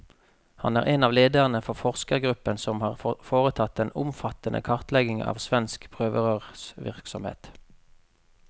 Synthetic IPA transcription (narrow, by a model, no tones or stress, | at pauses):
hɑ̰næːʁeːnɑːʋleːd̪əʁənəfɔʁfɔʁskəʁɡʁʉpənsɔmhɑːʁfoːʁət̪ʰɑt̪ːɛnʊmfɑt̪ənʔə̰kʰɑʁt̪lɛɡɪŋɑ̰ːʋsʋɛnskpʰʁøːʋəʁəʁsʋɪ̰ʁksɔmhḛːt̪